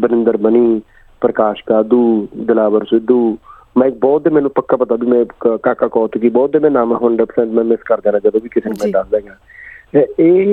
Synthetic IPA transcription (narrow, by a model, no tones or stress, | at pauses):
bənɪ̃nd̪əɾbəniː | pɾəkaːʃkaːd̪uːd̪ɪlaːʋəɾsɪd̪uː | mɛ̃ːɪk̚bɔːt̪̚d̪eːmɛ̃ːnũːpəkːaːpət̪aːbiːmɛ̃ːkaːkaːkɔːt̪ukibɔːt̪̚d̪eːmɛ̃ːnaːmãɦoːɳɖaːpəsə̃nd̪mɛ̃ːmɪskəɾd̪ẽːnãːd͡ʒəd̪oːbiːkɪseːnũːmɛ̃ːɖ̪ald̪ɛ̃ːɡaː | eeː